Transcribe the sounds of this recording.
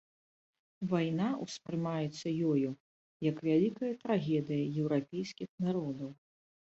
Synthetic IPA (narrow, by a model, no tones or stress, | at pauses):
vajnauspɾɨmajɛt̪sːɐjɔju | jɐkvʲalʲikɐjɐt̪ɾaɣʲɛd̪ɨjɐjɛwɾapʲɛjskʲixnaɾɔd̪ɐw